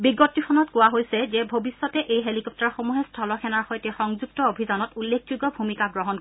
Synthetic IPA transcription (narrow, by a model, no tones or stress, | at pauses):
biɡɔtːixʰɔnɔtkʊwaɦojsɛzɛbʱobisːɔtɛʔejɦelikɔp̚tɔɹxomuɦɛstʰɔlɔxʰɛnaɹxɔjtɛxɔŋzuɡ̚tɔobʱizɔnɔtulːek̚ʰzuɡɔbʱumikaɡɹɔɦɔnkɔ